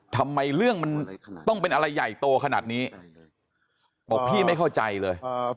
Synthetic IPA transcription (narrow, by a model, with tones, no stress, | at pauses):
t̪ʰa˧mːa˧jɾɯ˥˩əŋma˧nt̪ɔ˥˩ŋpe˧nʔa˧ɾa˧jːa̰˨˩˨jt̪oː˧kʰa˧naː˨˩t̪̚niː˦˥ | bɔː˨˦˥pʰiː˥˩ma˥˩jkʰa˥˩wt͡ɕa˧jlɤː˧j